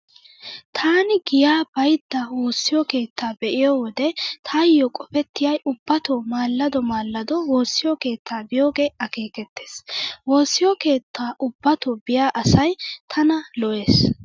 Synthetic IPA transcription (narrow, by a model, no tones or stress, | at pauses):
t̪ʰaːnɪɡɪjaːbɐjd̪ːɐwo̞ːsːɪjɔke̞ːt̪ːaːbɛʔɪjɔwɔd̪ɛt̪ʰajɔkʼɔfɛt̪ːɪjɐjʊbːɐt̪ɔmaːlːɐd̪ɔmaːlːɐd̪ɔwo̞ːsːɪjɔke̞ːt̪ʰːaːbɪjo̞ːɡeːɐke̞ːkɛt̪ːeːswo̞ːsːɪjɔke̞ːt̪ʰːaːʔʊbːɐt̪ɔbɪjaːʔɐsɐjt̪ʰɐnɐlɔʔe̞ːs